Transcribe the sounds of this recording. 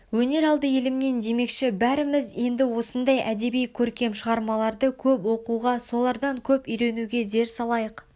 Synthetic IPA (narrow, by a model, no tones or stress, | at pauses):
wɵne̞ɾɑlˠd̪əje̞lɪmne̞nd̪e̞me̞kʃɪbæɾɪmɪze̞nd̪ɪwo̞sənd̪ɑjʔæd̪e̞bijkʲʰɵɾkʲe̞mʃəʁɑɾmɑlˠɑɾd̪əkʲʰɵpwo̞quʁɑso̞lˠɑɾd̪ɑŋkʲʰɵpʏjɾe̞nuɡʲe̞ze̞ɾsɑlˠɑjəq